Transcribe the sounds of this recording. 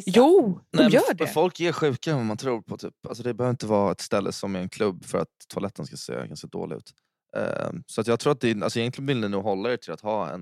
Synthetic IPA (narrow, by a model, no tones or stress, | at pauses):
juːnɛjœːɖɛfɔlkɛɧʉ̟ːkaɛnvamant̪ʰɾuːɾpʰɔt̪ʰy̰ːpals̬ɔd̪ɛbɛhœvɾɪnt̪əvɑːɛt̪st̪ɛlːʔə̰sɔmæɾɛnkʰlɵbːfœɾa̰t̪t̪ʰːʊalɛt̪ːənskasḛːɡa̰nskad̪o̰ːlɪɡʉ̟ːt̪ | sɔat̪jɑːɡt̪ʰɾuːat̪̚d̪ɛalsɔɛjɛŋklɪənvɪlnɪnuːɡɦɔlːaɪʈʰɪlat̪hɑːɛ̰n